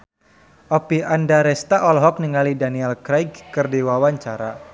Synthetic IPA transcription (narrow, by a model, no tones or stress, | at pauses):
ʔɔpiʔandaɾɛst̪aʔɔlɦɔk̚niŋalidaniɛlkɾajɡkərdiwawaɲt͡ʃaɾa